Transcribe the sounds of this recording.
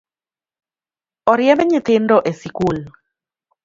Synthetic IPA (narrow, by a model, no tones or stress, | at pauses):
ɔɾjɛmɛɲɪt̪ɪndɔʔesikul